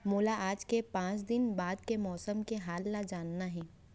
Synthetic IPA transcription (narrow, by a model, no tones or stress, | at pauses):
moːlaʔaːd͡ʒkepãːt͡ʃd̪ɪnbaːd̪̚kemɔːsəmkeɦaːlːad͡ʒaːnːaɦɛ̃ː